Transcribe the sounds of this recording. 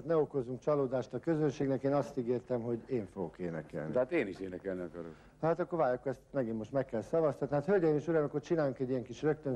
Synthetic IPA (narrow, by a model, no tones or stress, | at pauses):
t̪nɛo̞ko̞zuŋkt͡ʃɒloːd̪aːʃt̪ɒkø̞zønʃeːɡnɛkeːnɒst̪iɡeːrt̪ɛmɦo̞ɟeːɱfoɡo̞keːnɛ̰kɛ̰ln̰iat̪eːniʃeːnɛkɛlniɒkɒɾok | hɦat̪ɒkːorvaːjokːoɛst̪mɛɡimːo̞ʃt̪mɛkːɛlsɒvɒst̪ɒt̪niɦaːt̪hølɟɛimiʃuɾaːmɒkːort͡ʃinaːjuŋkɛɟːijɛŋkiʃrøk̚t̪øn